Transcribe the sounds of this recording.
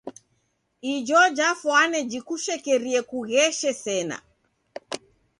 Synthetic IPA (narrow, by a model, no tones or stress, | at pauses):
id͡ʒɔd͡ʒafwanɛd͡ʒikuʃɛkɛɾiɛkuɣɛʃɛsɛna̰